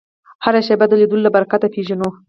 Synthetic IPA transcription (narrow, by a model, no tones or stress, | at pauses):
haɾaʃebad̪əled̪ulolːabaɾakat̪apʰeʒano